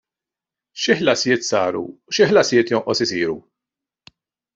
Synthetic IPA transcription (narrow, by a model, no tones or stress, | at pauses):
ʃiħlɐsjɪːt̪sɐːɾṵʃiħlɐsjɪːt̪jɔnʔɔsɪsiːɾu